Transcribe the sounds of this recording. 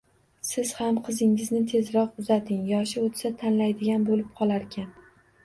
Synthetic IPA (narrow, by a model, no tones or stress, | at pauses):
sɪz̥hamqʰɨzɪŋɪznɪt̪ʰe̞zɾɒqʊzat̪ʰɪŋjɒʃɪot̪sat̪ʰanlajd̪ɪɡʲanbolɪp̚qʰɒlˠaɾkʲʰan